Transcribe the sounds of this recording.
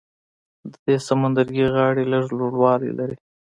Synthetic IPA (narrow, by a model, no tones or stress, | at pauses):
d̪əd̪esamand̪aɾɡiɣɑɽeləʐloɽwɑlḭlaɾi